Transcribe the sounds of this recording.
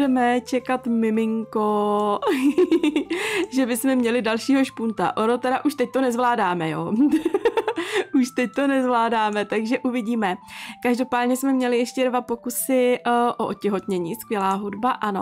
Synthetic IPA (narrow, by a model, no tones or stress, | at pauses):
ɛmɛt͡ʃɛkat̪mɪmɪŋko | ʒɛbɪsmɛmɲɛlɪdalʃiːɦo̞ʃpunt̪a̰ʔonot̪ɛɾaʔuʃt̪ɛc̚t̪o̞nɛzvlaːdaːmɛjo | uʃt̪ɛc̚t̪o̞nɛzvlaːdaːmɛt̪aɡʒɛʔuvɪɟiːmɛkaʒdo̞paːdɲɛsmɛmɲɛlɪjɛʃcɛdvapo̞kusɪʔoʔocɛɦo̞t̪ɲɛɲiːskvjɛlaːɦudbaʔano̞̰